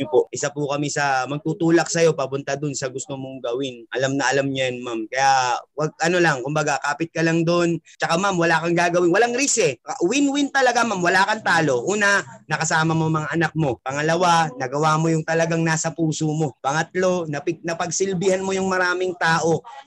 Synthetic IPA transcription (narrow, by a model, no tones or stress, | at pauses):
poʔʔɪsapʊkɐmisɐmɐɡ̚t̪uːt̪uːlɐk̚sɐjo̞pɐpʊnt̪ad̪onsɐɡʊst̪omoŋɡɐwɪnʔɐlamnɐʔɐlamɲjɐnmamkɐjawɐɡ̚ɐno̞lɐŋkʊmbɐɡakaːpɪt̪̚kɐlɐŋd̪ont͡ʃɐkamamwɐlaːkɐŋɡaːɡɐwɪnwɐlaŋɾisɛɐʔwɪnwɪnt̪ɐlɐɡamamwɐlaːkɐnt̪aːlo̞ʔuːnɐnɐkɐsaːmɐmomɐŋaʔɐnak̚mo̞pɐŋɐlɐwanɐɡɐwaːmojʊŋt̪ɐlɐɡaŋnaːsɐpuːsomo̞pɐŋɐt̪̚lo̞nɐpɪnɐpɐɡsɪlbɪhɐnmojʊŋmɐɾaːmɪŋt̪aːʔo̞